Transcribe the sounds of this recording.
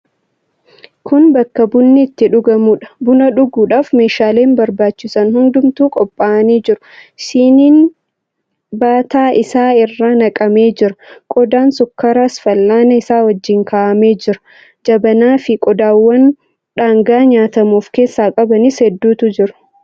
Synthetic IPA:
kʊnbɐkːɐbʊnːɪːt̪ːɪᶑʊɡɐmuːᶑɐ̥bʊnɐᶑʊɡuːᶑaːfme̞ːʃaːleːmbɐɾbaːt͡ʃːɪsɐnhʊnd̪ʊmt̪uːkʼɔpʼːaːɐniːd͡ʒɪɾʊsiːniːn | baːt̪aːʔɪsaːɪrːaːnɐkʼɐme̞ːd͡ʒɪɾɐkʼɔd̪aːnsʊkːɐɾɐsfɐlːaːnɐɪsaːwɐd͡ʒːɪŋkaːʔɐme̞ːd͡ʒɪɾɐ̥ | d͡ʒɐbɐnaːfɪkʼɔd̪aːwːɐn | ᶑaːŋɡaːɲaːt̪ɐmuːfke̞ːsːaːkʼɐbɐnɪshɛd̪ːuːt̪ʊd͡ʒɪɾʊ̥

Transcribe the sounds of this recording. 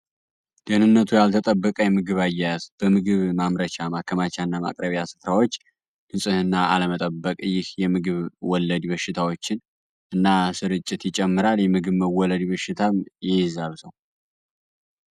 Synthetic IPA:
d̪̥əhnɨnːət̪ʰujalt̪ʰət̪ʼəbːəkʼəjɛmɨɡɨβajːajazb̥əmɨɡɨβmamɾət͡ʃamakʰəmat͡ʃanːama̰kʼɾəβjasɨ̥fɾawo̞t͡ʃː | ʔɨnsʼɨhɨnːaa̰ləmət̪ʼəbːəkʼɨjːɪhjɛmɨɡɨβwɔlːəd̪bəʃːɪt̪ʰawo̞t͡ʃːɪn | ʔɨnːasɨɾɨt͡ʃʼːɪt̪jɪt͡ʃʼɛmːɨɾaljɛmɨɡɨβməwɔləd̪bəʃːɪt̪ʰajɪjzaβsəw

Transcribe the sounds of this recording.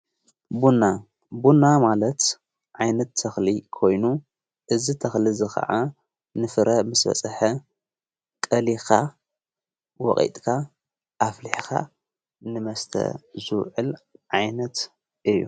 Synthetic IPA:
bunːa | bunːamalɐt̪ | ʕajnɐt̪ʰːɐxlikʰo̞jnu | ʔɨzit̪ʰɐxlizɨxɐ̰ʕa | nɨfɨɾʔɐmɨsbɐ̰t͡sʼɐħɐ | kʼɐlixa | wɔ̰χʼḭt̪ʼkʰa | ʔafliħka̰ | nɨmɐst̪ʰɐ̰zɨwʕɨ̰lʕajnɐt̪ | ʔɨjːṵ

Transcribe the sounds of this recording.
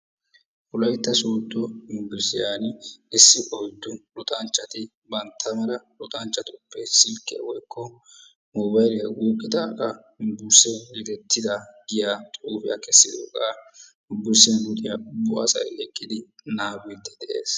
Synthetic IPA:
ʔʊlɐjt̪ːɐsuːd̪ːɔɪmbʊɾsɪjaːnɪsːɪʔɔjd̪ːʊlʊt̪ʼɐnt͡ʃːɐt̪ɪ | bɐnt̪ʰːɐmɐɾɐlʊt̪ʼɐnt͡ʃːɐt̪ʊpːɛsɪlkːɪɐ̰wɔjkːɔ | mɔbɐjlɪɐɡuːkʼːɪt̪ɐkʼɐ | bʊɾsɛlɛt̪ɛt̪ʰːɪd̪ɐɡɪjaːt̪ʼuːfɪjɐ̰kɛsːɪd̪okʼa | bʊɾsɛnlʊt̪ʼɪjɐbʊʔɐ̰sɐ̰jlɛkʼːɪd̪ɪnaːbɪt̪ːɛ̥d̪ɛʔḛːs

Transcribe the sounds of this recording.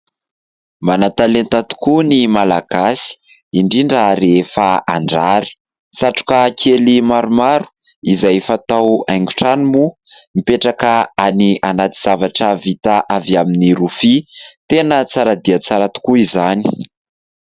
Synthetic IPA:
manat̪alent̪at̪u̥kunimalaɡasi̥ | iɳɖ͡ʐiɳɖ͡ʐəɾefaaɳɖ͡ʐaɾi̥ | saʈ͡ʂu̥kakʰelimaɾumaɾu̥izajfat̪awajŋɡu̥ʈ͡ʂanimumipeʈ͡ʂakəaniʔanat̪iz̥avaʈ͡ʂəvit̪aʔaviaminiɾufit̪enət͡saɾad̪iat͡saɾat̪u̥kuizani̥

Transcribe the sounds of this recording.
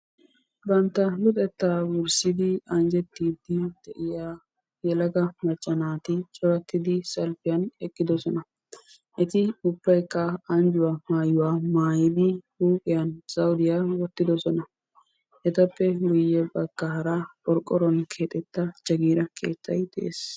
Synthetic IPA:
bɐnt̪ːɐlʊt̪ʼɛt̪ːaːwʊɾsɪd̪ɪɐnd͡ʒɛt̪ːiːd̪ɪd̪̥ɛʔɪjaː | jɛlɐɡɐmɐt͡ʃʼːɐnaːt̪ɪt͡ʃʼɔɾɐt̪ːɪd̪ɪsɐlfɪjɐnɛkʼːɪd̪ɔsɔnɐ | ʔɛt̪ɪʊbːɐjkːɐːnd͡ʒʊwaːmaːjʊwaːmaːjɪd̪ɪhuːkʼɪjɐnsɐwd̪ɪjaːwɔt̪ːɪd̪ɔsɔnɐ | ʔɛt̪ɐpːɛɡʊjːɛbɐɡːaːɾɐɔɾkʼːɔɾɔnkʰeːt̪ʼɛt̪ːɐt͡ʃɐɡiːɾɐkʰe̞̰ːt̪ːɐjt̪ʼḛːs

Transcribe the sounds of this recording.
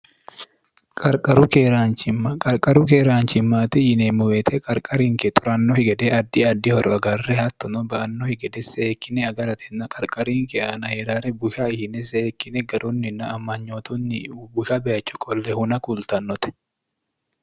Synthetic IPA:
kʼɐɾkʼɐɾukeɾaːnt͡ʃɪmːakʼɐɾkʼɐɾukeːɾaːnt͡ʃɪmːaːt̪ɪhɪnemʊweːt̪ʰɛkʼɐɾkʼɐɾiːŋkɛt̪ʼʊɾɐnːohɪɡɐd̪eɐd̪ːɪɐd̪ːɪhɔɾɔɐɡɐrːɛhɐt̪ːɔnɔbɐʔɐnːohɪɡɐd̪ɛseeːkːɪnɛɐɡɐɾɐt̪ʰɛnːɐkʼɐɾkʼɐɾiːŋkɛɐnɐheːɾaːɾɛbʊʃaɪhɪnɛs̬ɛːkːɪnɛɡɐɾunːɪnːɐːmːɐɲːoːt̪ʊnːɪbʊʃabɛɐt͡ʃːʊkʼɔlːɛhʊnɐkʊlt̪ɐnːɔt̪ɛ̥

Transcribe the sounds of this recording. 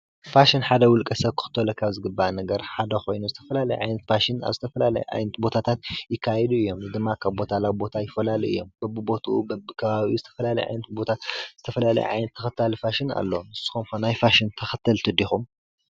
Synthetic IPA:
faʃinħad̪ɐwʊlkʼɐsɐβkʰɨ̥xɨ̥t̪ʰːɐlɐkʰaβzɨɡɨbːanɐɡɐɾħad̪ɐxo̞jnuzɨt̪ʰɐ̥fɐlalɐjʕa̰jnɐt̪faʃina̰βzɨt̪ʰɐfɐlalɐ̰jʕa̰jnɐt̪bo̞t̪ʰat̪ʰat̪jɪkʰːajɛd̪uɨjːo̞mnɨd̪ɨmːakʰaβbo̞t̪ʰalawbo̞t̪ʰajɪfːɐlaliɨ̰jːo̞̰mb̥ɐbɨbo̞t̪ʰṵbɐbɨkʰɐβaβiuzɨt̪ʰɐ̥fɐlalɐ̰jʕa̰jnɐt̪̚bo̞t̪ʰaz̥ɨt̪ʰɐfɐlalɐ̰j̰ʕa̰jnɐt̪ʰːɐxɐt̪ʰːalfaʃina̰lːonɨsːɨ̥xomxonajfaʃint̪ʰɐxɐt̪ʰːɐlt̪ʰɨd̪ixum

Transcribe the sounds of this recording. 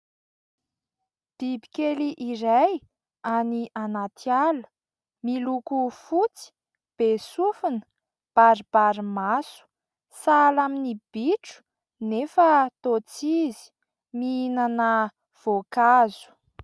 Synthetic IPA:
d̪̥ibikeliʔiɾaj | aniʔanat̪ʰialu̥ | milukufut͡si̥ | b̥esufunə̥ | b̥aɾib̥aɾimasu̥ | salaminib̥iʈ͡ʂu̥ | nefət̪ot͡sizi̥ | miinanə | v̥okazu̥

